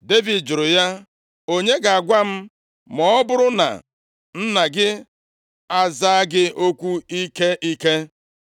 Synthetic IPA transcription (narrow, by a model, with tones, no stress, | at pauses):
de˦vi˨dd͡ʒʊ˨ɾʊ˨ja˦ | o˦ɲe˦ɡa˨a˨ɡʷa˦m̩˦ | mɔ˦bʊ˦ɾʊ˦na̰˨ | n̩˦na˨ɡɪ˦ | a˦za˦a˦ɡɪ˦ʔo˦kʷu˦i˦ke˦ʔi˦ke˦